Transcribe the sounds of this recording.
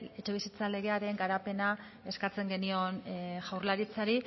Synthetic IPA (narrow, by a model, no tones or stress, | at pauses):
e̞t͡ʃe̞βisit͡sale̞ɣe̞aɾe̞ŋɡaɾape̞na | e̞skat͡se̞ŋɡe̞nio̞nʝawɾlaɾit͡saɾi